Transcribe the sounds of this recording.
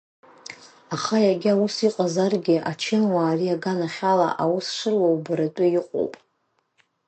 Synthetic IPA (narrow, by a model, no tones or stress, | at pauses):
aχajaɡʲɪawusiqʼazarɡʲɪʔat͡ʃʰɪnwaːriaɡanaχʲala̰ʔawusʂɨrwowbɨɾatʼʊjɪqʼo̰wpʼ